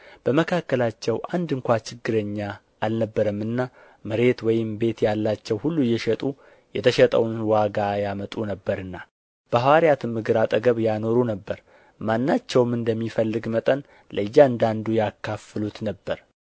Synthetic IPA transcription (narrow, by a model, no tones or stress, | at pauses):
b̥əməkʰakːəlat͡ʃːɛwʔand̪ɨŋkʷat͡ʃɪɡːɨɾəɲːa | ʔːlnəbːəɾəmːɨnːa | mɨɾe̞t̪wɔjɪmbe̞t̪jalːat͡ʃːɛwhulːujːɛʃɛt̪ʼu | jɛt̪ʰəʃɛt̪ʼəwnwaɡajamət̪ʼunəbːəɾɨnːa | b̥əhawaɾjat̪ʰɨmmːɨɡɨɾat̪ʼəɡəβjano̞ɾunəbːəɾ | manːat͡ʃːɛwmɨnd̪əmːifəlːɨɡmət̪ʼən | ləɨjːaɨnd̪and̪ujakʰːafɨlut̪nəbːəɾ